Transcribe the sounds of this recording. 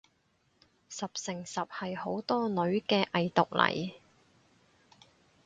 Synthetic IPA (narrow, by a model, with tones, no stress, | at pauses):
sɐ˨p̚sɪ˨˩ŋsɐ˨p̚hɐ˨jho˨˥wt̪ɔː˥nɵ˨˥ɥkɛː˧ʔɐ˨jt̪ʊ˨k̚lɐ̰˨˩j